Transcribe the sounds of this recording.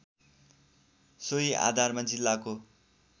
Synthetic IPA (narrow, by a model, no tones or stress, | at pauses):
soiʔa̰d̪ʱarmad͡zilːako